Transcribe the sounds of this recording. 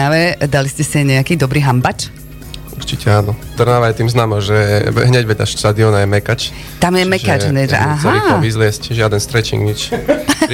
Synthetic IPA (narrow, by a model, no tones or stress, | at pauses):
aʋɛd̪aliscɛsiaɲɛakiːd̪ɔbɾiːɦambat͡ʃ | uɾt͡ʃicʰɛaːnɔt̪r̩naːʋajɛt̪iːmznaːmɔʒɛɛ̰ɦɲɛɟʋɛʎa̰ʃʃt̪ad̪iɔnajɛmɛkat͡ʃ | t̪amjɛmɛkad͡ʒɦɲɛʒɛ̰ʔaːɦaiɔʋizlɪɛscʒɪad̪ɛnst̪ɾɛt͡ʃḭŋɡɲit͡ʃ